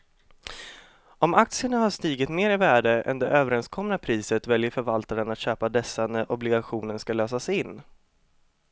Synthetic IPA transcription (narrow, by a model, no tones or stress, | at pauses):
ɔmak̚t̪sɪəɳahaʂt̪iːɡɪt̪meːɾɪvæːɖəʔɛ̰nd̪ɛʔøːvəɾɛnskʰɔmnapʰɾiːsət̪vɛljəɾfœɾvalt̪aɾənat̪ɕøːpad̪ɛsːanɛʔɔblɪɡaɧuːnəɳskaløːsasɪnː